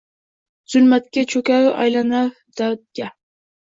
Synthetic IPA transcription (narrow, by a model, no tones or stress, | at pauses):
z̥ʊlmat̪kʲat͡ʃʰɵkʲaɾʔa̰jlanaɾ | d̪̥awt̪̚kʲa